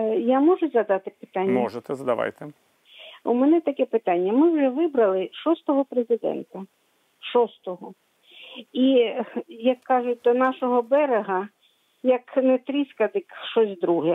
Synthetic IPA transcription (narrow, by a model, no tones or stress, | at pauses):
jamɔʒʊzɐd̪ɑt̪ɪpɪ̥t̪ɑnʲːmɔʒɛt̪ɛzɐd̪ɐ̰ʋa̰jt̪ɛ | umɛnɛt̪ɐkɛpɪt̪ɑnʲːɐmɪwʒɛʋɪbɾɐlˠɪʃɔst̪ɔɦɔpɾezɪd̪ɛ̰nt̪ɐ | ʃɔst̪ɔɦɔ | i | jɐkːɑʒʊt̚ʲd̪ɔnɑʃɔɦɔbɛɾeɦɐ | jɐknɛt̪ɾʲiskɐd̪ɪkʃɔsʲd̪ɾuɦɛ